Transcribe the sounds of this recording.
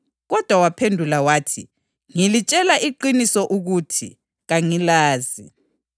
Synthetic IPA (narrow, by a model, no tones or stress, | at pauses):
ɣɔd̥ʱwawapʰendʱulawaːtʰḭ | ŋilit͡ʃʼɛlaʔiǃinisɔʔuɣutʰḭ | ɣaŋilaːzi